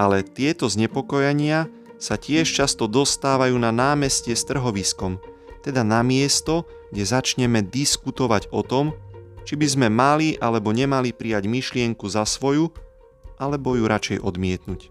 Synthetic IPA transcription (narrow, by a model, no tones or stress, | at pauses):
alɛt̪ɪɛt̪ɔzɲɛpɔkɔjaɲɪa | sacɪɛʃt͡ʃast̪ɔd̪ɔst̪aːʋajuːnanaːmɛscɛst̪r̩ɦɔʋiskɔm | t̪ɛd̪anamɪɛst̪ɔ | ɡ̥ɟɛzat͡ʃɲɛmɛd̪iskut̪ɔʋaɟɔt̪ɔmt͡ʃibizmɛmaliʔalɛbɔɲɛmalipɾijaɟmiʃlɪɛŋkuzasʋɔju | ʔalɛbɔjuɾʔat͡ʃɛjʔɔd̪mɪɛt̪nuc